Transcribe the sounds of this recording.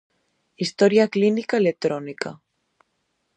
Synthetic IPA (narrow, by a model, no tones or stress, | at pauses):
ist̪oɾjaklinikaelek̚t̪ɾonika